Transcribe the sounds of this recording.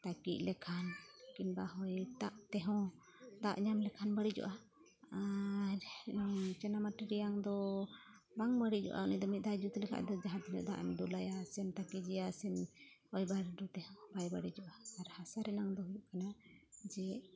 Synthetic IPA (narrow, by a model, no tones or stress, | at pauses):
t̪akḭʔlɛkʰankinbaɦɔjt̪aʔt̪ɛɦɔ̃ | d̪a̰ʔɲamlɛkʰanbəɽid͡ʒɔ̰ʔa | aɾ | t͡ʃɛnamaʈiɾijaŋd̪ɔ | baŋbəɽid͡ʒɔ̰ʔa̰unid̪ɔmit̪̚d̪ajd͡ʒut̪ulɛkʰa̰ʔd̪ɔd͡ʒaɦat̪nɛ̰d̪a̰ʔnd̪ulajasɛmt̪akid͡ʒɛjasɛn | ɔjbaɾɖut̪ɛɦɔ̃bajbaɽid͡ʒɔʔaaɾhasaɾɛnaŋd̪ɔɦujuʔkanad͡ʒɛ